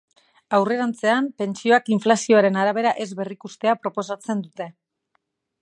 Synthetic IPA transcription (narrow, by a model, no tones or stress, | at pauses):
awre̞ɾant͡se̞ampe̞nt͡sio̞akiɱflasio̞aɾe̞naɾaβe̞ɾaʔe̞zβe̞rikust̪e̞apɾo̞po̞sat͡se̞nd̪ut̪e̞